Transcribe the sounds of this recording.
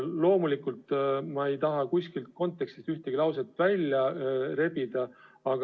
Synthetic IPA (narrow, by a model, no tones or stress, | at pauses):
lo̞ːmulikult̪ˑmɑe̞jt̪ɑɦɑkuskilt̪̚ko̞nt̪ːˑekst̪ist̪yht̪eɡ̥ilɑwset̪ːˑvælʲjɑɾe̞b̥id̪̥ɑ | ɑɡ